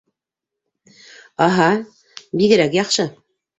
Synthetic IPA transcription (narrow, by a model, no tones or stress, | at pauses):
ɑɦɑ | biɡɘ̆ɾækjɑqʃɤ